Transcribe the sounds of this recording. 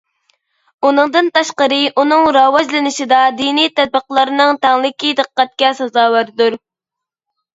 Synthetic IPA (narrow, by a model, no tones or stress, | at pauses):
unɨŋd̪ɨnt̪ɑʃqəɾɨʔunɨŋɾɑwɑd͡ʒlɪnɪʃid̪ɑd̪inijt̪ʰɛd̪̚bəqlˠɑɾɨnɨŋt̪ʰæŋlˠɪkʲid̪ɨqːæt̪̚kʲɛsɑzɑːwæɾd̪uɾ